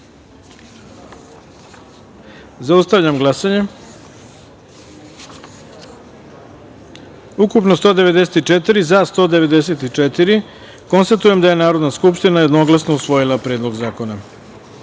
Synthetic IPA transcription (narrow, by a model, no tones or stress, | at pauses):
zaust̪aʋʎamɡlˠasaɲe̞ | ukupnost̪o̞ːd̪e̞ʋe̞d̪eset̪it͡ʂet̪iɾizast̪o̞ːd̪eʋe̞d̪e̞set̪it͡ʂet̪iɾi | ko̞nst̪at̪uje̞md̪aje̞naːɾo̞d̪naskupʃt̪inajed̪no̞ɡlasno̞usʋo̞jilˠapɾeːd̪lo̞ɡzaːko̞na